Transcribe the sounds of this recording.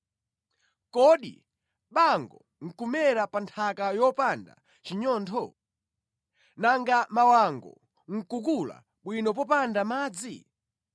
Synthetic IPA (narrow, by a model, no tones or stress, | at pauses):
kɔɗḭ | ɓaŋɡɔ | ŋ̩kumɛɾapantʰakajɔpanda̰ | t͡ʃiɲɔːntʰɔ | naŋɡamawaŋɡɔ̰ | ŋ̩kukula̰ | ɓwinɔp̬ɔpandamaːd͡zi